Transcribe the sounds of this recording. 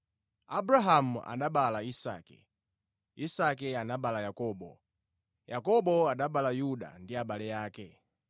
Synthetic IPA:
abɾaɦam̩a̰ɗaɓalaisa̰ːkɛ̰ | isakɛanaɓalajakɔɓɔ̰ | jakɔɓɔaɗaɓalajuɗa̰ndiaɓalɛjaːkɛ

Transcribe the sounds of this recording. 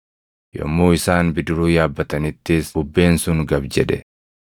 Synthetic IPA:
jɔ̰mːoːɪsaːnbɪd̪ʊɾuːjaːbːɐt̪ɐnɪt̪ːɪːsʊbːe̞ːnsʊŋɡɐbd͡ʒɛᶑɛ

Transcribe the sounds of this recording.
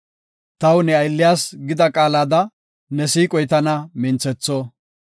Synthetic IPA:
t̪ɐwnɛɐjlːɪjaːsɡɪd̪ɐkʼaːlaːd̪ɐ | nɛsiːkʼɔjt̪ɐnɐmɪnt͡sːɛt͡sːɔ

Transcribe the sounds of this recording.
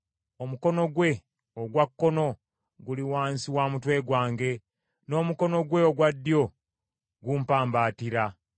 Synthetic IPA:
omuko̞no̞ɡwe̞ | oɡwakːo̞no̞ | ɡuliwaːnsiwaːmutwe̞ːɡwaːŋɡe̞ | no̞ːmuko̞no̞ɡwe̞oɡwadːjo̞ | ɡumpaːmbaːtiɾa

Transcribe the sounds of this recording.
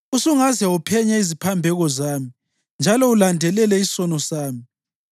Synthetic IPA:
usuŋazɛupʰɛɲɛizipʰambʱɛɣɔzaːmi | nd͡ʒʱalɔulandʱɛlɛlɛisɔnɔsaːmi

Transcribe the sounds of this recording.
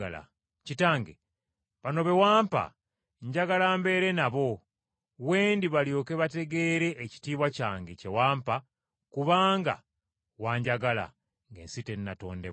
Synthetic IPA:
ala̰ | citaːŋɡḛ | βano̞βe̞waːmpa̰ | ɲɟaɡalaːmbe̞ːɾe̞naβo̞ | weːndiβaljo̞ːke̞βate̞ɡe̞ɾe̞ʔːci̥tiːβwacaːŋɡece̞waːmpa | kuβaːŋɡa̰ | waːɲɟaɡala̰ | ŋɡe̞̰ːnsite̞nːato̞̰ːnde̞

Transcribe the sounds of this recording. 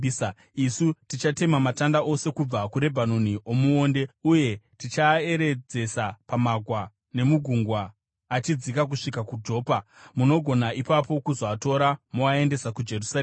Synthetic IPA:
isutit͡ʃate̞mamatandaʔo̞se̞kub͡vakuɾe̞bʱano̞niʔomuoːnde̞uje̞tit͡ʃae̞ɾe̞d͡ze̞sapamaɡʱwa | ne̞muɡʱuŋɡwaː | t͡ʃid͡zikak̬uʂikakud͡ʒo̞ːpamuno̞ɡʱo̞naʔipapo̞kuzoato̞ɾamoae̞nde̞sakud͡ʒe̞rusa

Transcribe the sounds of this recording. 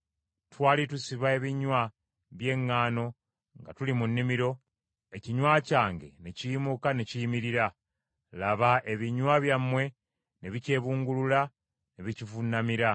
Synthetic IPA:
twaːlitusiβae̞βiɲwa | βje̞ŋːaːno̞ | ŋɡa̰tulimunːimiɾo̞ | e̞ciɲwaːcaːŋɡe̞̰necijimukane̞cijimiɾiɾa | laβaʔe̞βiɲwaβjamːwe̞ | ne̞βice̞ːβuːŋɡulula | ne̞βicivunːamiɾa

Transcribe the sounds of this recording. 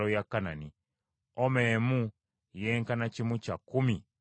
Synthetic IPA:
ojakːanani | omeːmu | jeːŋkanacimucakːumi

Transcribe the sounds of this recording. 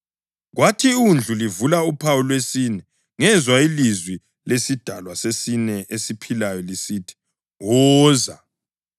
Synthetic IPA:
ɣwatʰiund͡ɮʱulivulaupʰawulwesinɛ | ŋɛzwailizwi | lesid̥ʱalwasesinɛʔesipʰilajɔlisiːtʰi̥ | wɔːza

